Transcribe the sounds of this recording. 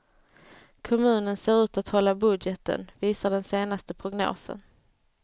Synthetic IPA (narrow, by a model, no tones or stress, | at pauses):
kʰɔmʉ̟ːnənseːɾʉ̟ːt̪at̪hɔlːabɵd̪jɛt̪ə̰nviːsaɖɛnseːnast̪əpʰɾʊɡno̰ːsə̰n